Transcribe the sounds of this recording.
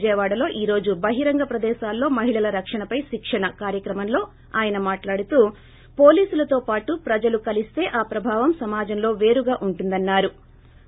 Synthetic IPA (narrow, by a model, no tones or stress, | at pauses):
d͡ʒɛːʋaːɽɐlo̞ːʔiːɾo̞ːd͡ʒubɐɦiɾɐŋɡɐpɾɐd̪ɛːʃaːlːoːmɐɦiɭɐlɐɾɐkʂɐɳɐpɐjʃikʂɐɳɐkaːɾjɐkɾɐmɐmlo̞ː | aːjɐnɐmaːʈlaːɽut̪uː | po̞ːliːsulɐt̪o̞ːpaːʈupɾɐd͡ʒɐlukɐlist̪e̞ːʔaːpɾɐbʱaːʋɐmsɐmaːd͡ʒɐmlo̞ːʋe̞ːɾuɡaːʔuɳʈund̪ɐnːaːɾu